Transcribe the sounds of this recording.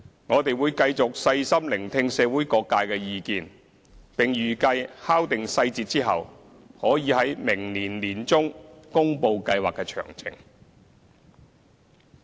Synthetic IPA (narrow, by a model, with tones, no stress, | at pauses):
ŋɔː˨˧t̪e˨jwuː˨˧jkɐ˧jt͡sʊ˨k̚sɐ˧jsɐ˥mlɪ˨˩ŋt̪ʰɪ˧ŋsɛː˨˧wuː˨˥jkɔː˧kːaː˧jkɛː˧jiː˨˧kiː˨˧n | pɪ˨ŋjyː˨˩kɐ˧jhaː˥wt̪ɪ˨ŋsɐ˧jt͡siː˨t̚t͡siː˥ɦɐ̰˨w | hɔː˨˥jiː˨˧hɐ˨˥jmɪ˨˩ŋliː˨˩nliː˨˩nt͡sʊ˥ŋkʊ˥ŋpo˧wkɐ˧jwaː˨kːɛː˧t͡ʃʰœ̰ː˨˩ŋt͡sʰɪ̰˨˩ŋ